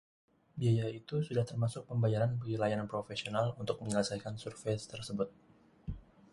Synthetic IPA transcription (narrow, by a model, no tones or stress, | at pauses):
biajait̪usudaht̪ərmasʊk̚pəmbajaɾanbaɡilajanpɾofesionalunt̪ʊk̚məɲələsajkansurfest̪ərsəbʊt̪̚